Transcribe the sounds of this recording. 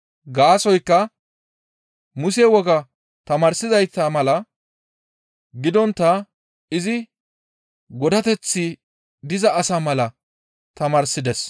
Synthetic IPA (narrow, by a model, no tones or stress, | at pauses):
ɡaːsɔjkːɐ | mʊsewɔɡɐ | t̪ɐmaːɾsɪzɐjt̪ːɐmɐlɐ | ɡɪd̪ɔnt̪ːɐ | ɪzɪ | ɡɔd̪ɐt̪ɛt͡sːɪ | d̪ɪzɐːsamɐlɐ | t̪ɐmaːɾsɪd̪ɛs